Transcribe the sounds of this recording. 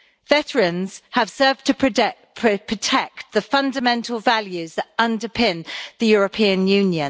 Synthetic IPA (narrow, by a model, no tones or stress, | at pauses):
vɛtəɹə̃nz̥əv̥sɜːvtʰəpʰɹʰ | pʰɹ̥ətʰɛk̚tðəfʌ̃ndəmɛ̃ntʰˡəlˠvaljʉzðətʌ̃ndəpʰɪ̃nðəjɔːɹəpʰĩə̃njʉ̃ːnjə̃n